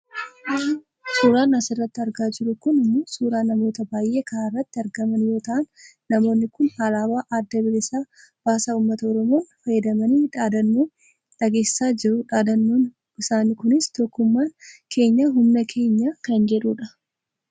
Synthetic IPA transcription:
suːɾaːnɐsɪrːɐt̪ːɪɐɾɡaːd͡ʒɪɾʊkʊnɪmːoːsuːɾaːnɐmo̞ːt̪ɐbaːjʔe̞ːkɐaːɪrːɐt̪ːɪɐɾɡɐmɐnjo̞ːt̪ɐʔɐnː | ɐmo̞ːnːɪkʊnhaːlaːbaːʔɐd̪ːɐbɪɾɪsaː | b̥aːsaːuːmːɐt̪ɐɔɾɔmo̞ːnfɐjɐd̪ɐmɐniːᶑaːd̪ɐnːoːn | ᶑɐɡe̞ːsɪ̥saːd͡ʒɪɾʊᶑaːd̪ɐnːoːn | ɪsaːnikʊnɪst̪ɔkːʊmːaːŋkʰe̞ːɲːɐɦʊmnɐkʰe̞ːɲːaːkɐnd͡ʒɛᶑuːᶑɐ

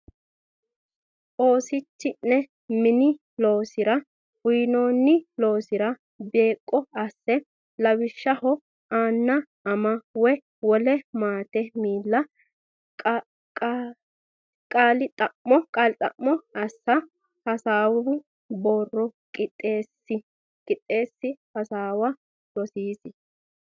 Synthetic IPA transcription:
ʔo̞ːsɪt͡ʃːɪnːɛ | mɪnɪ | lo̞ːsɪɾɐ | wʊjno̞ːnːɪlo̞ːsɪɾɐ | be̞ːkʼːɔɐsːɛ | lɐwɪʃːɐhɔ | aːnːɐ | ɐmɐwɔ | wɔlɛmaːt̪ɛmiːlːɐ | kʼ | kʼaːlɪt̪ʼɐʔːɔkʼaːlɪt̪ʼɐ̰ʔːɔɐsːɐ | hɐsaːw | boːrːɔkʼɪt̪ʼːeːsɪ | kʼɪt̪ʼːe̞ːsːɪhɐsaːwɐ | lɔsiːsɪ

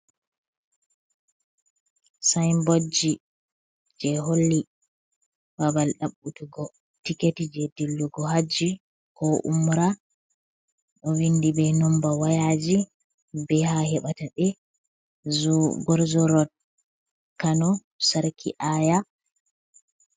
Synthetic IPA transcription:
sajmbod͡ʒi | d͡ʒɛɦolːi | babalɗaɓːutuɡɔ | tiketid͡ʒɛdilːuɡɔhad͡ʒi | kɔʔṵmɾa | ɗɔwindibɛnɔmbawajad͡ʒi | bɛhahɛɓataɓɛ | zɡɔɾzɔɾɔd̚ | kanɔ | saɾkʰḭʔaːja

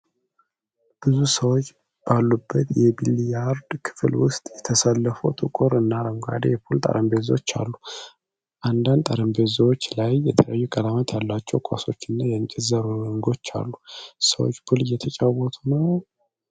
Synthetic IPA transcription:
b̥ɨzusəwo̞t͡ʃː | b̥alːubːət̪jɛbilijaɾd̪kʰɨ̥flwʊst̪ʼjɛt̪ʰəsəlːəfot̪ʼɨkʼoɾɨnːaɾəmɡa̰d̪ejɛpʰult̪ʼə̰ɾəmbezwot͡ʃːa̰lːu | ʔand̪and̪t̪ʼaɾəmbe̞zwot͡ʃːlajːɛt̪ʰələjajːukʼəlamət̪ʰjalːat͡ʃːɛwkʰa̰so̞t͡ʃːɨnːajɛɨɲt͡ʃʼɪzəɾuɨŋɡo̞t͡ʃːa̰lːusəwo̰t͡ʃːpʰulɨjːɛt̪ʰət͡ʃʼawɔt̪ʰunəw

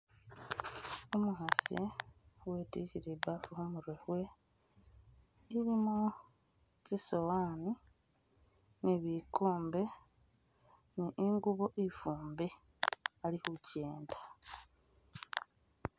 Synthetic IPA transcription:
omuhasḭweːtihiɾibafuhumuɾwehwe̞ | iɾimo | cisowaːni | niβikuːmbe | niʔiŋɡuβoʔifuːmbe | alihuceːndḁ

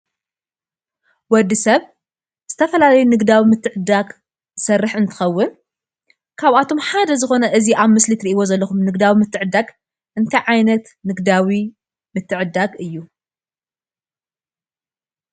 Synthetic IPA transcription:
wɔd̪ːisɐβ | z̥ɨt̪ʰɐfɐlalɐjunɨɡd̪awimɨt̪ʰːɨʕɨd̪aɡ | zɨsɐrːɨħɨnt̪ʰɨ̥xɐwːɨn | kʰaβat̪ʰo̞mħad̪ɐzɨxo̞nɐʔɨziʔaβmɨslit̪ɨɾiʔiβo̞zɐlːɐxumnɨɡd̪awimɨt̪ʰːɨʕɨd̪aɡ | ʔɨnt̪ʰajʕajnɐt̪ | nɨɡd̪awi | mɨt̪ːɨʕɨd̪ːaɡɨjːu

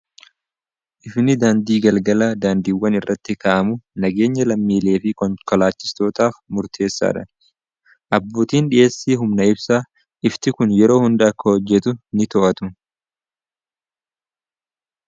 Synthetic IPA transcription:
ʔɪfnɪd̪aːnd̪iːɡɐlɡɐlaːd̪aːnd̪iːwːɐnɪrːɐt̪ːɪkaʔɐmʊnɐɡe̞ːɲːɐlɐmːiːle̞ːfɪkɔnkɔlaːt͡ʃːɪ̥st̪o̞ːt̪aːfmʊɾt̪ʰe̞ːsːa̰ːᶑɐ | ʔɐbːuːt̪iːnᶑɪʔe̞ːsːiːɦʊmnɐɪbsaː | ʔɪft̪ɪkʊnjɛɾo̞ːhʊnd̪ɐɐkːɐhɔd͡ʒːɛt̪ʊnɪt̪ɔʔɐt̪ʊ

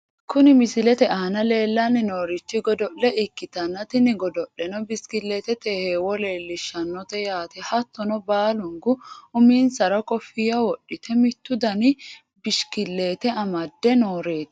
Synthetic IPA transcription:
kʊnɪmɪsɪlɛt̪ɛʔaːnɐle̞ːlːɐnɪno̞ːɾɪt͡ʃːɪɡɔd̪ɔʔːɛʔɪkːɪt̪ɐnːɐt̪ɪnɪɡɔd̪ɔʔɛnɔbɪskɪlːeːt̪ɛt̪eːheːwɔle̞ːlːɪʃːɐnːɔt̪ɛjaːt̪ɛhɐt̪ːɔnɔbaːlʊŋɡʊʊmiːnsɐɾɐkɔfɪjɐwɔɗːɪt̪ʰɛmɪt̪ːʊd̪ɐnɪ | bɪʃkɪlːe̞ːt̪ɛɐmɐd̪ːɛnoːɾe̞ːt̪

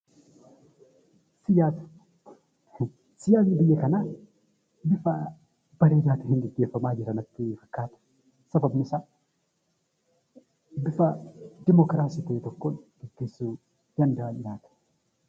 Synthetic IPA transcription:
sɪjaːt̪ | sɪjaːwibɪjːɛkɐna | bɪfɐ | b̥ɐɾeːd͡ʒaːt̪ɪhɪnɡɛɡːeːfːɐmaːd͡ʒɪɾɐnɐt̪ːɪfɐ̥kːaːt̪ɐ̥ | sɐbɐbnɪsɐ | bɪfɐd̪ɪmɔkɾaːsiːt̪ɐjɛt̪ɔkːonɡ̥ɛɡːeːsːu | d̪ɐnd̪ɐwɐnɲaːt̪ɐ̥

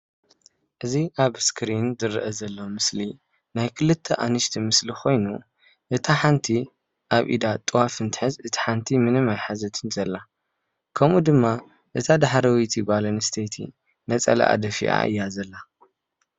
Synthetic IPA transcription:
ʔɨziʔaβskʰɾinzɨɾːɨʔɐzɐlːomɨsli | najkʰɨlɨt̪ʰːɐʔa̰nɨʃt̪ʰimɨslikʰo̞jnu | ʔɨt̪ʰaħant̪ʰi | ʔaβʔḭd̪at̪ʼɨwafɨnt̪ʰɨ̥ħɨzɨt̪ʰi̥ħant̪ʰimɨnɨmajħazɐt̪ʰɨnzɐlːa | kʰɐmud̪ɨmːa | ʔɨt̪ʰad̪aħɾɐwit̪ʰibalɐnɨst̪ʰet̪ʰḭ | nɐt͡sʼɐ̰lɐ̰ʔa̰d̪ɐfḭʔa̰ʔɨ̰jːazɐlːa

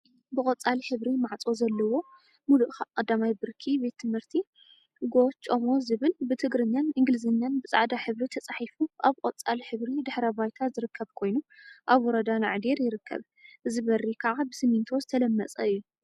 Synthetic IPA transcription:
bɨkʼɐt͡sʼalħɨβɾimaʕt͡sʼo̞zɐlːɐwo̞ | muluʔakʼɐd̪ːamajbɨɾkʰibe̞t̪ʰːɨmhɨɾt̪ʰi | ɡo̞t͡ʃʼːomo̞zɨβɨlbɨt̪ʰɨɡɾɨɲjanɨŋɡɨlɨzɨnjanbɨsʼa̰ʕd̪aħɨβɾit̪ʰɐt͡sʼaħifuʔaβqʼɔt͡sʼalħɨβɾid̪ɨħɾɐbajt̪ʰazɨɾɨkʰːɐβkʰo̞jnuʔaβwɔɾɐd̪ana̰ʕd̪eɾjɪɾɨkʰːɐ̰β | ʔɨzɨβɐrikʰaʕabɨsɨmint̪ʰo̞zɨt̪ʰɐlɐmːɐt͡sʼɐ̰ɨjːu

